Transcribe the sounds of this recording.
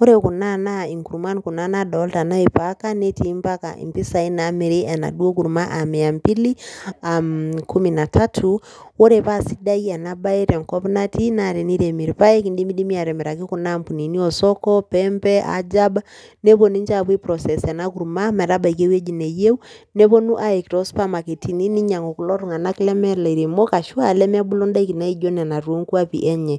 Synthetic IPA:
wɔ˦ɾɛku˨na˦nai˨ŋku˨ɾuma˦nku˨na˦naɗɔlta˨na˦ipaka˦nɛ˦ti˦mpa˦ka̰ʔḭ˨mpi˦sa˨i˦nami˨ɾia˨na̰˨ɗu˦ɔ˦ku˨ɾuma˦ʔa˨mɛa˨mpi˦liamkʰu˦mina˨tʰa˦tʰu | wɔ˦ɾɛpasi˦da˦i˦a˨na˦ba˦ɛ˦ɾɛ˨ŋkɔ˦pna˦tinaɾɛ˨ni˦ɾɛ˨mi˨ɾipa˦ɛ˦ki˨ndi˦mi˦ɗi˦mi˦a˨ɾɛ˨mi˨ɾa˨k̬i˦ku˨nampu˨ni˨ni˦ɔ˨sɔ˦kɔ˦pɛmpɛ˦ʔa̰˨d͡ʒa˦banɛ˦βɔ˨ni˦ɲd͡ʒa˦βwi˦pɾɔ˨sɛ˨sa˨na˦ku˨ɾuma˦mɛ˨ɾa˦ba˨i˨ke˦wɛ˦d͡ʒi˨nɛ˨je˦u˦nɛ˦βɔ˦nu˦ʔa˦ɛ˨ki˨ɾɔ˦spa˦ma˨ki˨ti˨ni˦ni˦ɲa˨ŋɔ˨ku˨lɔ˦ɾu˨ŋa˨na˦ki˦lɛ˦mɛ˦la˨i˨ɾi˨mɔ˦ka˨ʃu˦a˨lɛ˦mɛ˦a˦bu˦lɔ˦nda˦i˦ki˨na˦i˦d͡ʒɔ˦na˨na˨ɾu˨o˦ŋku˦a˦pḭ˨ʔɛ˦ɲɛ˨

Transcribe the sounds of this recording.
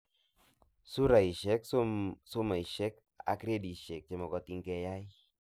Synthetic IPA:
su˦ɾa˨i˨ʃɛ˦ksso˦ma˨i˨ʃɛ˦k̚ | a̰˨˦kɾe˦di˨ʃɛ˨k̚t͡ʃɛ˨mɔ˨kɔ˨ti˦ŋkɛ˦ja˦i˦

